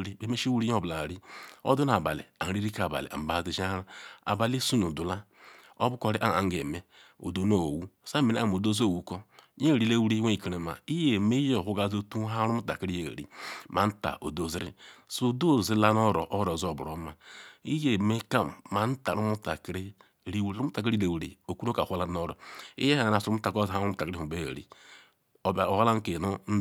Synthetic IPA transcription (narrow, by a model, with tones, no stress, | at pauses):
ɾi˦be˨˦me˦ʃwu˦ɾi˦o˦˨bla˨ɾi˦o̰˦du˦n˦a˨ba̰˨lḭ˨a˨ɾi˦ɾi˦ka˨ba̰˨lḭ˨a̰˨m̩˨ba˨˦˨zi˨ʃa˦ɾa˦a̰˨ba˨li˦su˦nu˨du˨la˦ | o˦bu˦ko˨˦ɾi˦ʔa˦˨a̰˨ŋ˦ɡe˨me˦ | o̰˨do˦no˨wu˦˨sa˦me˨nḛ˦˨m˨o˨do˦zo˦˨wu˨˦ko˦ɲe˦˨ɾi˨˦le˦wu˦ɾi˦we˦i˨ki˨ɾe˨ma̰˨i˦je˨me˦jɦu˦ɡa˦˨zo˦tu˦ɦa˦ɾu˦u˦ta̰˨ki˦ɾi˦ḛ˨ɾḭ˦ma˨n̩˦ta̰˨ʔo̰˨do˨zi˦ɾḭ˦so˦˨do˦˨zi˦la˦n˦o˦ɾo̰˨ʔo˦ɾo˨zo˨bṵ˨ɾo˨˦ma˨i˦je˨me˦ka˦mː˨a˨n̩˦ta˨ɾu˦mu˦ta̰˨kɾi˦˨ | ɾi˦wɾu˦u˦ta˨k̬i˦ɾi˦le˨wɾḭ˨o˨ku˦ɾo˦ka˨hla˦o˦ɾo̰˨ḭ˦je˦a˦˨na˨su˨ɾu˦mu˦ta˨ko˦˨a˦u˦ta˨kɾi˦˨u˨be˦ḛ˨ɾḭ˨ | o˨ba˨o˨ha˦la˦ŋ˦ke˨no˦n̩˦